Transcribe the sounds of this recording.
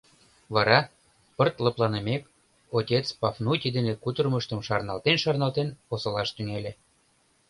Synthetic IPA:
βɑɾɑ | pərt̪ləplɑnəmek | otʲet͡spɑfnut̪ʲid̪enekut̪ərməʃt̪əmʃɑrnɑlt̪enʃɑrnɑlt̪enposɤlɑʃt̪yŋelʲe

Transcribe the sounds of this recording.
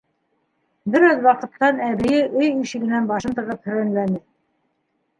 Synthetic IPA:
bɘ̆ɾæðwɑqɤ̆t̪ːɑnæβɘ̆jɘʔɵjiʃɘ̆ɡɘ̆nænbɑʃɤnt̪ɤ̆ʁɤp̚hɵ̆ɾænlænɘ

